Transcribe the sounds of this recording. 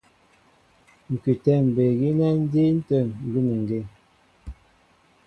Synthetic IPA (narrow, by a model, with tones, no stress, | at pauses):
ŋ̩˨kʉ˨tɛ˦˨m̩˨be˨ɣi˦na˦n̩˦de˦n̩˦tə˦˨ŋ̩˨ɡʉ˦nə˨ŋ˨ɡe˦˨